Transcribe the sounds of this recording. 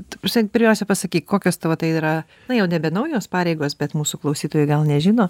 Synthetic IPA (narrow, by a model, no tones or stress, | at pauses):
t̪pɑsʲmʲɛpʲɪɾʲmʲɛʊsʲɛpɐsɐkʲiːkkoːkʲoːst̪ɐʋɐt̪ɐɪiɾɐ | nɐjɛʊnʲɛbʲɛnɐʊjoːspɑːɾʲɛɪɡoːsbʲɛt̪muːsuklˠɐʊsʲiːt̪oːjʊɪɡɐlˠnʲɛʒʲɪnoː